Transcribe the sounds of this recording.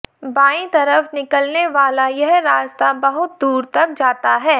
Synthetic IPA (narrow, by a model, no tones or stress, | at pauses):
baːĩt̪ɐɾəfnɪkəlneʋaːlajɛɦɾaːst̪abɐɦʊt̪̚d̪uːɾt̪ɐk̚d͡ʒaːt̪aɦɛː